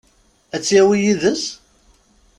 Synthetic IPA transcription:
æt͡sːjæwijiðəs

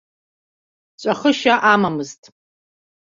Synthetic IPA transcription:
t͡ʃʷʼaχəʃaʔamamɨztʼ

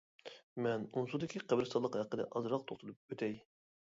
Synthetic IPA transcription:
mɛnunsud̪ɪkʲʰiqʰæbɾsɑlˠəqhɛqːəd̪ɛ̰ʔɑzɾɑqt̪ʰoχt̪ɨlˠup̚øt̪ʰɛj

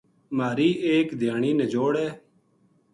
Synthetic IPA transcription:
maːɾiːʔeːkd̪ʱjaːɳiːneːd͡ʒoːɽeː

